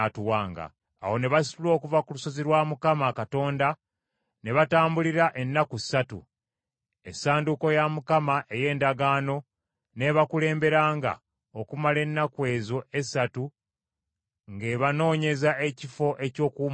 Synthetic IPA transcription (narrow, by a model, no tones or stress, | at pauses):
tuwaːŋɡa̰ː | wo̞ne̞βasi̥uloːkuvakulusoziɾwaːmukamakato̞ːnda | ne̞βataːmbuliɾaʔenːakuisatṵ | esaːnduko̞jamukamaʔe̞je̞ːndaɡaːno̞ | ne̞βakule̞ːmbe̞ɾaːŋɡa̰ | okumale̞nːakwe̞ːzo̞e̞satu | ŋɡe̞ːβano̞ːɲe̞zaʔe̞cifo̞ʔe̞co̞ːkuːm